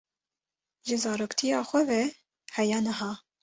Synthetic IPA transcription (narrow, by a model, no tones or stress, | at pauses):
ʒɪzɑːɾoːkt̪ʰijɑːxʷɛvɛ | hɛjɑːnɐɦɑː